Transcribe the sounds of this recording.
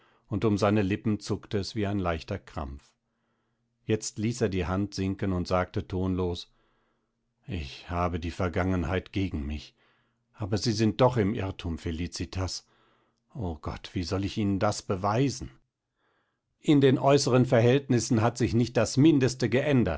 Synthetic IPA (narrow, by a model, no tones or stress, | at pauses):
ʊntʊmzaɪnəlɪpm̩t͡sʊktəɛsv̥iːaɪnlaɪçtɐkʁ̥a̰mp͡f | jɛt͡stliːseːɐdiːhantz̥ɪŋkənʊntz̥aːk̚tətʰoːnloːs | ʔɪçhaːbədiːfɛɐɡaŋənhaɪtɡ̥eːɡŋ̩mɪ̰ç | ʔaːbɐziːzɪnt̚d̥ɔχɪmʔɪ̰ʁtʰumfeliːt͡sitʰas | ʔoːɡ̥ɔ̰tv̥iːzɔlɪçiːnəndasb̥əvaɪzn̩ | ʔɪndeːnʔɔʏsəʁənfɛɐɦɛltnɪsn̩ɦatz̥ɪçnɪçt̚d̥asmɪndəstəɡəʔɛndɐ̰t̚